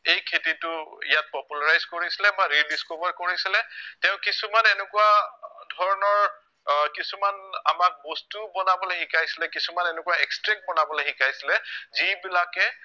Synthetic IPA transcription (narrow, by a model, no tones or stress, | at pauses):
ejkʰetitʊijat̚pɔpulaɹajzkoɹisilɛmaɹilizkobaɹkoɹisilɛtɛʊ̃kisumanɛnɛkuwadʱɔɹɔnɔɹ | kisumana̰mak̚bɔstubɔnabɔlexikajsilɛkisumanɛnɛkuwaɛkstɹɛŋ̚bɔnabɔlexikajsilɛzibilakɛ